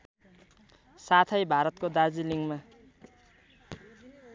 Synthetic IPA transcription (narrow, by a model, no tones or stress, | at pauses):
sat̪ʰʌjbʱaɾʌt̪̚kod̪ad͡ziliŋma